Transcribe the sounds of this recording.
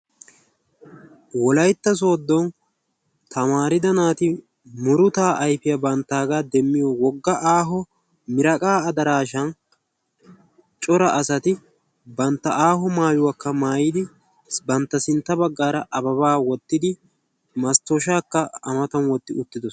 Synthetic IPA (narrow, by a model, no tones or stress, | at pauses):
wɔlɐjt̪ːɐs̬oːd̪ːɔn | t̪ʰɐmaːɾɪd̪ɐnaːt̪ɪ | mʊɾʊt̪aːʔɐjfɪjɐbɐnt̪ːaːɡaːd̪ɛmːɪjɔwɔɡːɐʔaːɦɔ | mɪɾɐkʼaːɐd̪ɐɾaːʃɐn | t͡ʃʼɔɾɐʔɐsɐt̪ɪ | bɐnt̪ːɐʔaːɦɔmaːjʊwakːɐmaːjɪd̪ɪ | bɐnt̪ːɐsɪnt̪ːɐbɐɡːaːɾɐʔɐbɐβaːwɔt̪ːɪd̪ɪ | mɐst̪oːʃaːkːɐːmɐt̪ɐnwɔt̪ːɪʊt̪ːɪd̪ɔs